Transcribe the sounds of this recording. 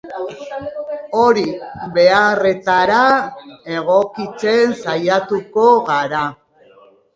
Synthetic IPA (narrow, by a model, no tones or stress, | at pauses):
o̞ɾibe̞are̞t̪aɾae̞ɣ̞o̞kit͡se̞nsajat̪uko̞ɣaɾa